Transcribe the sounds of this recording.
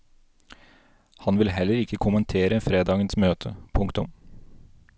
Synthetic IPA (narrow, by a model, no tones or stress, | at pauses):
hɑnʋɪlhɛlːəɾɪkəkʰʊmənt̪ʰeːɾəfɾeːd̪ɑːɡənsmøːt̪ʰəpʰʊŋkt̪ʊ̰m